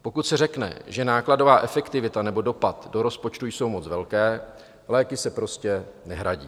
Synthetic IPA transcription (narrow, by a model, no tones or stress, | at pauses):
po̞kut̪sɛrɛknɛ̰ʒɛnaːklado̞vaːʔɛfɛkt̪ɪvɪt̪anɛbo̞do̞pat̪do̞ɾo̞spot͡ʃt̪ujso̞wmo̞t͡svɛlkɛː | lɛːkɪsɛpɾo̞scɛnɛɦɾaɟḭː